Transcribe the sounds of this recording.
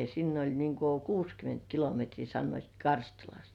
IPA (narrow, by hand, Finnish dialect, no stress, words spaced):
sinː olʲ niŋ ku kuːskyment kilometriː sɑnːoit kɑrstulɑst